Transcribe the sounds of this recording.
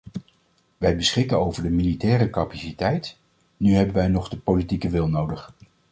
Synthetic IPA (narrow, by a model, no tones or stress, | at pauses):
ʋɛjbəsχɪkənowvəɹdəmilitɛːrəkɑpasitɛjt | nyɦɛbənʋɛjnɔχdəpolitikəʋɪlˠnowdəχ